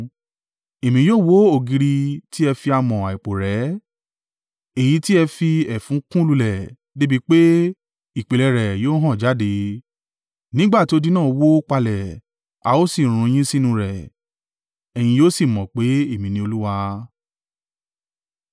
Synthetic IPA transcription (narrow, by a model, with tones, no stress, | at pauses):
e˨mĩ˨˧joː˦˨wo˦o˦˨ɡi˧ɾi˧ti˦ɛ˧fi˧a˧mɔ̃˨a˨i˨k͡po˨ɾɛ˨˦ | e˨ji˨˧˦ti˦ɛ˧fi˧ɛ˨fũ˨˦kũ˦lu˧lɛ˨ | de˦bi˦k͡pe˦ | i˨k͡pe˨lɛ˧ɾɛ˨joː˦ɦã˦˨d͡ʒa˨˦de˧ | nĩ˦ɡ͡ba˦˨ti˨˦o˧di˦nãː˦˨˧wo˦k͡pa˧lɛ˨ | a˧o˦si˦˨ɾ̃ũ˧˦j̃ĩ˦si˦nũ˧ɾɛ˨ | ɛ˨j̃ĩ˧joː˦si˦˨mɔ̃˨k͡pe˨˦e˦˨mĩ˨nĩ˧o˧lu˦wa˧